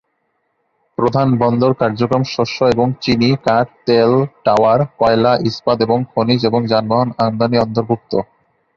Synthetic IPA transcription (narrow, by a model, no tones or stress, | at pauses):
pɾod̪ʱanbɔnd̪oɾkaɾd͡ʑokɾomʃoʃoeboŋt͡ɕinikaʈ̚t̪elʈawaɾkɔelaʔispad̪eboŋkʰonid͡ʑeboŋd͡ʑanbaɦonand̪aniɔnt̪oɾbʱuk̚t̪o